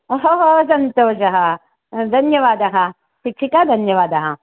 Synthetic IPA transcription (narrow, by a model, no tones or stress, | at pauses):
oɦoɦosɐnt̪oːʃɐɦɐ | d̪ʱɐnjɐʋaːd̪ɐɦɐ | ʃikʂikaːd̪ʱɐnjɐʋaːd̪ɐɦɐ